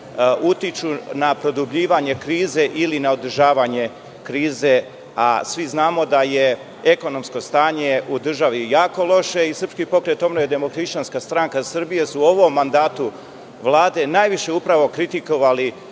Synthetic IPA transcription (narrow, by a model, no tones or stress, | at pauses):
ut̪it͡ʃunapɾo̞d̪ubʎiːʋaɲe̞kɾiːze̞ʔilinaod̪r̩ʒaːʋaɲe̞ | kɾiːze̞ | a̰sʋiznaːmo̞d̪aje̞ | eko̞no̞msko̞st̪aːɲe̞ud̪r̩ʒaʋijaːko̞lˠo̞ʃe̞isər̩pskipo̞kɾe̞t̪o̞mnojed̪e̞mokɾiʃt͡ʃanskast̪ɾaŋkasɨrbije̞suoʋo̞mːand̪aːt̪u | ʋlˠaːd̪e̞najʋiʃe̞upɾaʋo̞kɾit̪iko̞ʋali